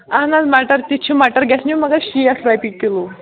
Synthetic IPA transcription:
aɦnad͡zmaʈəɾt̪it͡ɕʰimaʈəɾɡɛsnuməɡaɕiasɾajpikkːelu

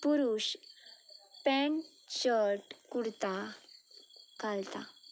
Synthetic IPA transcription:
puɾuɕ | pɛɳ | t͡ɕəɾʈkuɽt̪a | kalt̪a

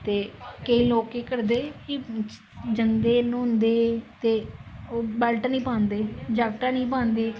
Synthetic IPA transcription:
t̪eːkəiːloːkeːkəɾd̪eːki | d͡ʒəŋd̪eːnõːnd̪eːt̪eːobɛːlʈnĩːpãːnd̪eːd͡ʒaːk̚ʈaːnĩːpãːnd̪eː

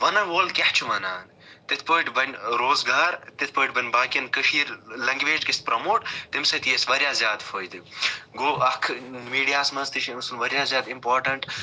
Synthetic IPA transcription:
ʋɐnɐʋoːlkʲɐht͡ʃʰuʋɐnaːn | t̪it̪̚ʰpoːjʈbɐnʲɾoːzɡaːɾt̪it̪̚ʰpəːʈʲbɐnʲbaːkiɐnkəʃiːɾlɐŋɡʋeːd͡ʒkist̪̚pɾɐmoːʈt̪imsɐt̪jesʋɐɾʲjaːzjaːd̪fʰoːjd̪iɡoːɐkʰmiːɖijaːsmɐnst̪iʃʰinsunʋɐɾjaːzʲjaːd̪impoːɾʈɐɳʈ

